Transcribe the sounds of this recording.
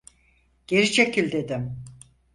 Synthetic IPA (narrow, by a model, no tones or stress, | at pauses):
ɟ̥e̞ɾit͡ʃʰecʰilʲd̪e̞d̪im